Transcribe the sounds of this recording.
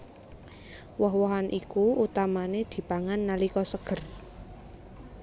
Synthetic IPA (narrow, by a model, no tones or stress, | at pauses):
wɔɦwɔɦanʔikuut̪amaned̪̥i̤paŋanːalikɔsəɡ̥ə̤r